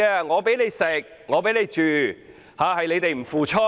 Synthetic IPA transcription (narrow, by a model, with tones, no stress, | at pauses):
ɛː˧ŋɔː˨˧pe˨˥jle˨˧jsɪ˨k̚ | ŋɔː˨˧pe˨˥jnle˨˧jt͡ʃyː˨˩ | haː˨˧hɐ˨jle˨˧jt̪e˨jm̩˨˩fuː˨t͡ʃʰɔ˥